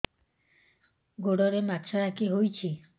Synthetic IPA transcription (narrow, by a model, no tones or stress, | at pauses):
ɡoɽɔɾemat̪ːʃaɾakiɦojt͡ɕʰi